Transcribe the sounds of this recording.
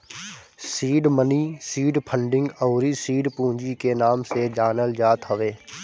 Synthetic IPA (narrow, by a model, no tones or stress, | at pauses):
siːɖməniːsiːɖpʰə̃ɳɖɪ̃ŋɡəːɾisiːɖpũːɲd͡ʒikenaːmsed͡ʒaːnəld͡ʒaːt̪ɦəʋeː